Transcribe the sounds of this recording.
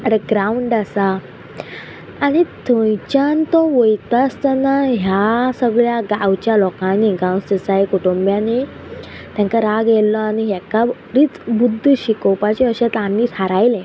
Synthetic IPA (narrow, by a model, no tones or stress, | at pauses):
əɾeɡɾauɳɖasa | ñit̪ʰõjt͡ɕant̪ɔʋojt̪ast̪anːaɦjasəɡɭjaɡawt͡ɕjalɔkãniɡãwst̪əsajkuʈombjane | t̪jãŋkaɾaɡɛllɔañiɦaka | ɾiːt͡sbud̪ʱːɕikɔpat͡ɕeəɕẽt̪ãnːiːt̪ʰaɾajlẽ